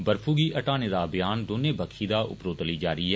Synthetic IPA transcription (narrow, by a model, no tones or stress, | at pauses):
bəɾfʰuːɡiːʔɐʈaːneːd̪aːbɪjaːnd̪oːneːbəkʰiːd̪aːʔʊ̰pɾoːt̪əliːd͡ʒaːɾiːɦɛː